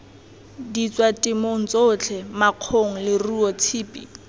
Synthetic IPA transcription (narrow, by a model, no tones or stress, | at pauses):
dit͡sʼwatʼɪmoŋ̩t͡sot͡ɬʰɛmaq͡χʰoŋ̩lɪruɔt͡sʰiːpʼi